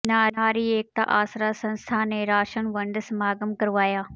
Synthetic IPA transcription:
naːaːɾieːk̚t̪a̰ʔaːsɾaːsɐ̃nst̪ʰaːnẽɾaːʃənʋɐ̃ɳɖsmaːɡəmkɐɾʋaːjaː

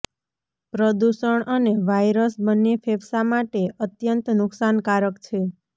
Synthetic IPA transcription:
pɾəd̪uʃəɳəneʋajɾəsbənːepʰebsamaʈeʔət̪jənt̪nʊksankaɾəkt͡ʃʰe

